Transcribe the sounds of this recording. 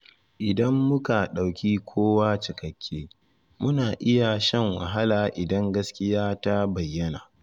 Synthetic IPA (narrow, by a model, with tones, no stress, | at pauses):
ʔɪ˨dɐ˦mːʊ˦ka˨ɗa˨wkʲiː˦kʷʰoː˦waː˦t͡ʃɪ˨kɐ˨kʲʰːeː˦ | mʊ˦naː˨ʔɪ˦ja˨ʃɛ˦ŋwɐ̰˨ɦa˦laː˨ʔɪ˨dɐ˦ŋɡɐ˦skʲɪ˦jaː˦ta˦bɐ˨jːɐ˦naː˨